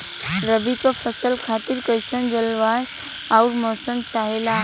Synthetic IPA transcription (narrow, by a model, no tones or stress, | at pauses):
ɾəbikəpʰəsəlkʰaːt̪iɾkəjsə̃nd͡ʒəlʋa | aʊɾmɔːsəmt͡ʃaɦela